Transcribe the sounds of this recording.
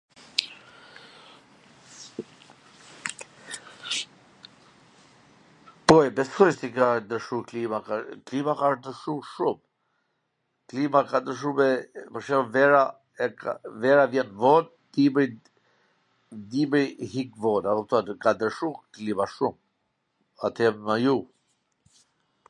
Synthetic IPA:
pɔjbɛsɔʃt̪ikad̪əɾʃuklimaaklimakaɾd̪əɾʃuʃum | klimakad̪əɾʃ̬umɛpəʃɛɾɔvɛɾa | ɛavɛɾavjɛnvɔn | d̪iməj | d̪iməjhikvɔnaðɔθuakad̪əɾʃuklimaʃum | at̪ɛmmaju

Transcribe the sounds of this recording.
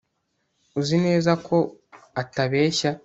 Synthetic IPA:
uzine̞ːzakʰo̞ataβe̞ːʃa

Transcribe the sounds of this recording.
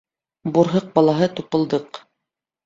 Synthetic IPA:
buɾɦɤq̚bɑlˠɑɦɤt̪upɤ̆lˠd̪ɤq

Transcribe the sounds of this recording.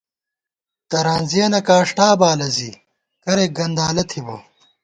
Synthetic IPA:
t̪ɐɾaːnziɐnɐkaːʂʈaːbaːlɐzi | kɐɾeɡɐnd̪aːlɐt̪ʰibɐ̰

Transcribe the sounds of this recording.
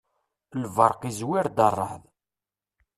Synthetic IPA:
lvɑɾˤqizwiɾd̪ɑrˤːɑ̰ħð

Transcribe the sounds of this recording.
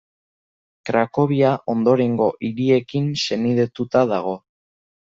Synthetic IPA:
kɾako̞β̞iaʔo̞nd̪o̞ɾe̞ŋɡo̞ʔiɾie̞kinse̞niðet̪ut̪að̞aɣ̞o̞

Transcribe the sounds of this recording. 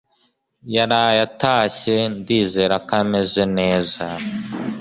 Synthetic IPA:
jaɾajataːɕe̞ndiːze̞ɾakame̞ze̞ne̞ːza

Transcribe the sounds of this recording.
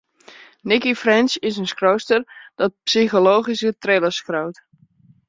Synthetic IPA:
nɪkifrɛnsɪsənskrowstərd̥ɔt̚psixoloːχisətreləskrowt

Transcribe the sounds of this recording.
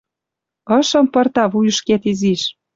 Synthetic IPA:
ɤ̆ʃɤ̆mpɤ̆rt̪ɑβujə̆ʃket̪iziʃ

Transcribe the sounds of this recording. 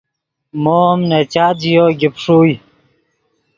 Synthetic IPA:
moːmnet͡ɕaːd̪ijoːɡipʂuːj

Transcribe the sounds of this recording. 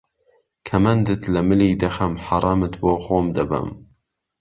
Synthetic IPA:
kʰɐmɐnd̪ɨt̪ʰlɐmɨliːd̪ɐxɐmħɑɾˤɑːmɨt̪boːxoːmd̪ɐbɐ̰m

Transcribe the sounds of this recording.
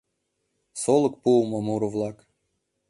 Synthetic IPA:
solˠɤ̆kpuwməmuɾuvlˠɑk

